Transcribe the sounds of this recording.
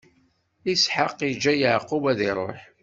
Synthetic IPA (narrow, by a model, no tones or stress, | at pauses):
isħəqːid͡ʒːæjəʕqːʊbæðiɾˤo̰ħ